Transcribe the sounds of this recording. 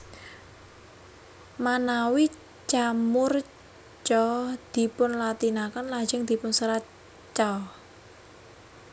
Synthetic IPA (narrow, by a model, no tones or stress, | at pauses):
manawi | t͡ʃamʊr | t͡ʃɔd̪̥i̤pʊnlat̪inakənlad͡ʒɪŋd̪̥i̤pʊnsəɾa | t͡ʃɔ